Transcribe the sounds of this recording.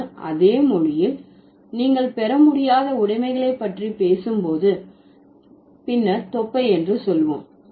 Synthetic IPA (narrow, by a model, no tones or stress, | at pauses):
ʔɐ̰ðeːmɔɻɪjɪl | niːŋɡɐɭpɛɾɐmʊɽɪjaːðɐʊɽɐɪmɐɪɣɐɭɐɪpːɐʈripeːsɯmpoːðɯ | pɪnːɐɾt̪ɔpːɐɪɛndrɯsɔlʋo̰ːm